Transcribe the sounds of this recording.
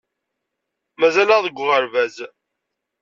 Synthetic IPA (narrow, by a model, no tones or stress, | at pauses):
mæzæləʁðəɡʷːʁəɾvæz